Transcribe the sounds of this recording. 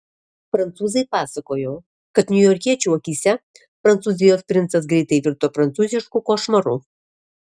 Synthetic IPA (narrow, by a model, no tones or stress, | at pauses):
fɾɐnt̪suːzɐjpɑːsɐkoːjoː | kɐt̪nʲʊjɔːɾʲkʲiɛt͡ʃʲuɔkʲisʲɛ | fɾɐnt̪suːzʲɪjospʲɾʲɪntsɐs̬ɡɾʲɛɪt̪ɐjʋʲɪɾt̪oːfɾɐnt̪suːzʲɪʃkukoːʃmɐɾu